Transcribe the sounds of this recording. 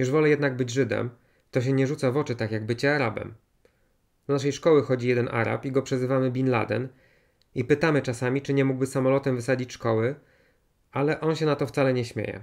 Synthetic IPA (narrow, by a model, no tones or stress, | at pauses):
juʐvɔlɛjɛd̪naɡbɘd͡ʑʐɘd̪ɛ̰m | t̪ɔɕ̬ɛɲɛʐut̪savɔt͡ʂɘt̪akjaɡbɘt͡ɕɛaɾabɛ̰m | d̪naʂ̬ɛjʂkɔwɘxɔd͡ʑijɛd̪ɛnʔa̰ɾa̰piɡɔpʂɛzɘvamɘbʲinla̰d̪ɛ̰n | ipɘt̪amɘt͡ʂasamʲit͡ʂɘɲɛmuɡbɘsːamɔlɔt̪ɛmvɘsad͡ʑit͡ɕʂkɔwɘ | ʔalɛʔɔnɕɛnat̪ɔft̪salɛɲɛɕmʲjḛjɛ̰